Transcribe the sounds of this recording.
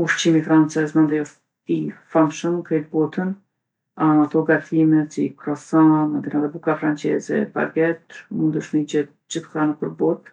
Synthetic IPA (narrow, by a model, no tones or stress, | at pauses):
uʃt͡ɕimifɾant͡sɛzmand̪ɛjɔʃ | t̪ifamʃəmkɾɛt̪̚bɔt̪ən | amat̪ɔɡat̪ʰimɛt͡sikɾɔsamand̪inaðɛbukafɾant͡ʃɛzɛ̰ba̰ɡɛt̪mund̪əʃmid͡ʑɛt̪̚ | d͡ʑəθkanəpəɾbɔt̪